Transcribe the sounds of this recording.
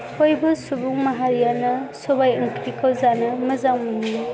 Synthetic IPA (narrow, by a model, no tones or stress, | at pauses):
hojbɯsubuŋmɐɦaɾijanɐsɔbajɐŋkɾikəwzanɯmɐzawmun